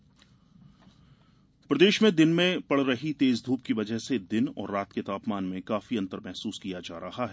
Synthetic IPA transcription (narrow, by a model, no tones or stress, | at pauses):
pɾɐd̪eːʃmẽd̪ɪnmẽpɐɽɾɐɦit̪eːzd̪ʱuːp̚kiʋɐd͡ʒəɦsed̪ɪnɔ̰ːɾːaːt̪ket̪aːpmaːnmẽkaːfiɐ̃nt̪əɾmɛɦsuːskijad͡ʒaːɾɐɦaɦɛː